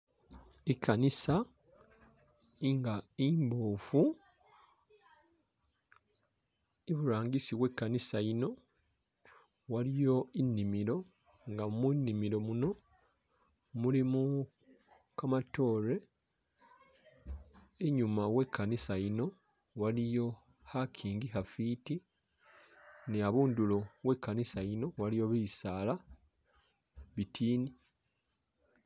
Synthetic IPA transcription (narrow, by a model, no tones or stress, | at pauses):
ekʰːanisa | iŋɡaiːmboːfu | iβuɾaːɲɡisiwe̞kːanisaino̞ | walijo̞inːimiɾo̞ | ŋɡamunːimiɾo̞muno̞ | mulimu | kamato̞ːɾe̞ | eɲumawekʰːanisaino̞ | walijo̞ | hakʰiːŋɡiɦafiti | niaβuːndulo̞we̞kːanisaino̞walijo̞βisaːla | βitʰiːni